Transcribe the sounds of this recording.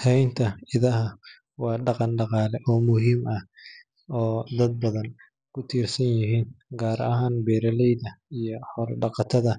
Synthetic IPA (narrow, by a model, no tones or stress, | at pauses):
tʰɛjnt̪ʰɐɪðɐɦɐ | wɑːɖɑqɑnɖɑqɑːlɛʔɔːmʊɦiːmɐh | ɔːd̪ɐd̪̚bɐðɐn | kʰʊt̪ʰiːrsɐnjɪɦiːnɡaːɾɐɦaːnbɛːɾɐlɛjðɐijɔhɔrɖɑqɑt̪ʰɐðɐ